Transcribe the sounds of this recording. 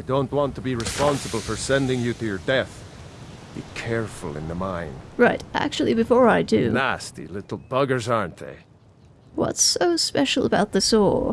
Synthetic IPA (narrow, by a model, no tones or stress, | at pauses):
aɪdõʊ̃nʔwɑ̃ntʰəbiɹɨspɑ̃nsəbəl̩ˠfə˞sɛ̃ndɪ̃ŋjɨɾɨjə˞dɛθ | b̥ḭkʰɛɹfəl̩ˠɪ̰̃nðəmãɪ̃nd̥ɹaɪɾʔæ̰k̚t͡ʃʉl̩ˠibɨfɔɹaɪdʉnæstḭlɪɾl̩ˠbʌɡə˞zɑɹ̃nðḛɪ | wʌ̰tsoʊspɛʃl̩ˠəbaʊt̪̚ðɨsɔɹ